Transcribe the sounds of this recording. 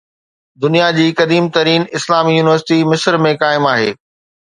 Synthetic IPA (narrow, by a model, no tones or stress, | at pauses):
d̪ʊnijad͡ʑiːkɐd̪iːmt̪ɐɾiːnɪslaːmijuːnɪʋəɾsɪʈimɪsɾmẽkaːɪmaːɦeː